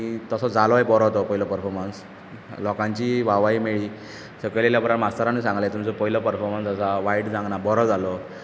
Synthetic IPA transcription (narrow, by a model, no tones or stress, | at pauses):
it̪əsɔd͡zalɔebɔɾɔt̪ɔpəɦilɔpəɾfʰɔɾməns | lɔkãɲt͡ɕiːʋaʋaiːmeɭiː | səkəleljabəɾaʈmast̪aɾanusãŋɡlet̪umt͡sɔpəɦilɔpəɾfʰɔɾmənsəsaʋaiɽd͡zãŋɡnabɔɾɔd͡zalɔ